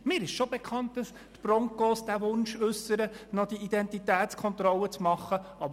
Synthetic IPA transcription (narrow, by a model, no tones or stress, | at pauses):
mɪːɾɪʃʃɔbekʰχɑnt̚d̥ɑs | tb̥rɔŋkɔːsd̥æʋʊnʃʉsːəɾənɔd̥iid̥ɛntitæːtt͡skʰɔnt̪ɾɔlːət͡smɑχːəɑb